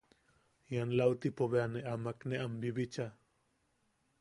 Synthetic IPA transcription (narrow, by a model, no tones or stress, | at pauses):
janlawt̪ipoβeaneʔamakneʔambiβit͡ʃa